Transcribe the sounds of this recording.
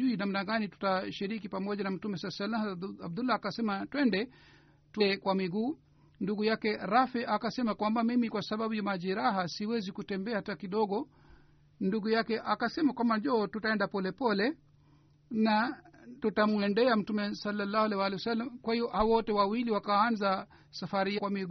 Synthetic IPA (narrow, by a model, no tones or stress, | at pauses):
uinam̩naɡanitu̥taʃiɾik̬ipamɔʄanam̩tumɛsalsalːaab̚d̪ulaːkasɛmatwɛndɛ | tɛkwamiɡuː | nduɡujakɛɾafɛʔakasɛmakwambamimikwasaɓaɓujamaʄɛɾaɦasiwɛzikutɛmbɛatakiɗɔɡɔ | nduɡujakɛʔakasɛmakwamband͡ʒɔːtutaɛndapɔlɛpɔlɛ | natutamuɛndɛam̩tumɛsalːalːahwalɛiwalɛwasalːamkwahivɔhawɔtɛwawiliwakaanza | safaɾiakwamiɡ